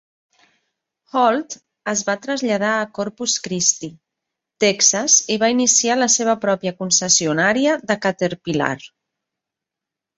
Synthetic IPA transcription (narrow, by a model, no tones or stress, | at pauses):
xɔlˠt̪ | əzβat̪ɾəzʎəð̞aəkɔɾpuskɾist̪i | t̪ɛksəziβainisialəseβ̞əpɾɔpjəkunsəsiunaɾiəðəkat̪eɾpila̰r